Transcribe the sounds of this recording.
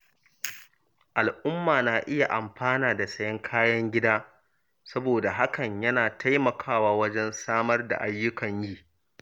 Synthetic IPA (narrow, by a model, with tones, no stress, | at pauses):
ʔa˨lʔʊ˦mːaː˨naː˨ʔɪ˦ja˨ʔa˨mɸaː˦naː˨da˨sɐ˦jɐ˦ŋkʰaː˦jɐ˦ŋɡʲɪ˦daː˦ | sɐ˦boː˨da˨ɦa˦kɐ˨ɲjɐ˦naː˨tʰa˦jmɐ˨kʰaː˦waː˦wɐ˦d͡ʒɛ˦nsaː˦mɐ˦rda̰˨ʔa˦jːʊ˦kɐ˨ɲjiː˦